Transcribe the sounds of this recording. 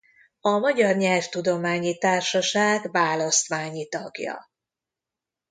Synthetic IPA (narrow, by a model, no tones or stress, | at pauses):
ɒmɒɟɒrɲɛlft̪ud̪o̞maːɲit̪aːrʃɒʃaːɡvaːlɒst̪ʋaːɲit̪ɒɡjɒ̰